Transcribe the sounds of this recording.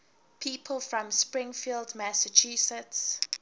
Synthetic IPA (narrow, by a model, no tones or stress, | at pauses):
pʰiːˑpʰəlˠfɹɔ̃mspɹɪ̃ŋfildmæsət͡ʃʰusəts